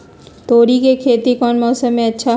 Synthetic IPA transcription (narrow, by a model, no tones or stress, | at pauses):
t̪oːɾikekʰeːt̪ikɔːnmɔːsəmːẽɐtːʃʰa